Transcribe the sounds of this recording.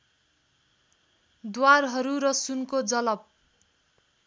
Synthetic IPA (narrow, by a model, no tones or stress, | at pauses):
d̪warɦʌɾuɾʌsunkod͡zʌlʌb̚